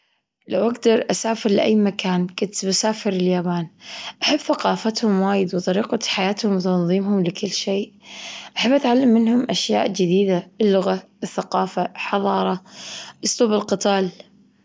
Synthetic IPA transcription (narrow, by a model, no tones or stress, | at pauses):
lawʔaɡd̪ɑɾˤʔasaːfɪɾlɪʔa̰jːmakʰaːnkʊnt̪basaːfɪɾɪljaːbaːnʔaħɪbːθaqɑːfat̪hʊmwaːjɪd̪wt̪ˤɑɾiːqɑħajaːt̪hʊmwt̪ɑnðˤiːmhʊmlɪkɪlːʃeːʔʔaħabːʔat̪ʕalːamːɪnhʊmʔaʃja̰ːʔd͡ʒɪd̪iːd̪aɪlːʊɣa | ɪθːaqɑːfaħɑðˤɑːɾˤɑʔɨsˤluːbɪlqɨt̪ˤaːl